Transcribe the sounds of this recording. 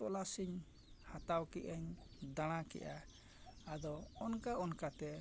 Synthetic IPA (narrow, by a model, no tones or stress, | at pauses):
ɔʔlasiɲ | hat̪awkiʔaɲd̪aɽ̃akɛ̰ʔa | ad̪ɔɔnkaʔɔnkat̪ɛ